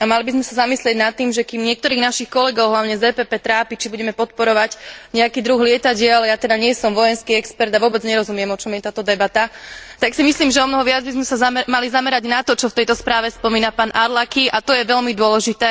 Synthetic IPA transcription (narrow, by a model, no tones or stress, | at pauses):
amalibizmɛsazamislɪɛɟnat̪ːiːmʒɛkimɲɪɛk̚t̪ɔɾiːɣnaʃixkɔlɛɡɔʊɦlaʊɲɛzɛːpɛpɛːt̪ɾaːpit͡ʃibuɟɛmɛpɔt̪̚pɔɾɔʋaɟɲɛakiːd̪ɾuɣlɪɛt̪aɟɪɛlɛjat̪ɛd̪aɲɪɛsɔmʋɔjɛnskiɛkspɛɾd̪aʋʊɔbɛd͡zɲɛɾɔzumɪɛmɔt͡ʃɔmjɛt̪aːt̪ɔd̪ɛbat̪at̪aksimisliːmʒɛɔmnɔɦɔʋɪad͡zbizmɛsazamalizamɛɾaɟnat̪ɔt͡ʃɔft̪ɛjt̪ɔspɾaːʋɛspɔmiːnapaːnʔaɾlakiʔat̪ɔjɛʋɛlmid̪ʊɔlɛʒit̪ɛː